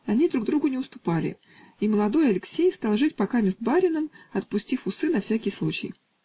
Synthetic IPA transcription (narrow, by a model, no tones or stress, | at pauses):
ɐnʲid̪ɾuɡ̚d̪ɾuɡʊnʲɪʊst̪ʊ̥palʲɪ̰ | iməlˠɐd̪o̞jɐlʲɪksʲejst̪alˠʐɨtʲpɐkamʲɪzd̪̚baɾʲɪnəmɐt̪̚pʊsʲtʲifʊsɨnɐfsʲækʲɪjslˠut͡ɕɪ̰j